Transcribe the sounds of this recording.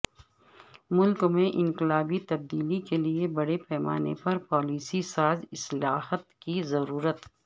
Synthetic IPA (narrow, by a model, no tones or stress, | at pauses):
mʊlkmẽʔɪ̃ŋqɪlaːbit̪ɐb̚d̪iːlikeliebɐɽepɛːma̰ːnḛpɐɾpɔːliːsisaːzɪslaːhət̪kizɐɾuːɾət̪